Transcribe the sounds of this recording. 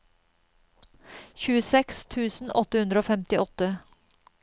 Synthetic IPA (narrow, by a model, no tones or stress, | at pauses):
çʉːəsɛkst̪ʰʉːsn̩ʔɔt̪əhʉnd̪ɾəoːfɛmt̪ɪʔɔt̪ə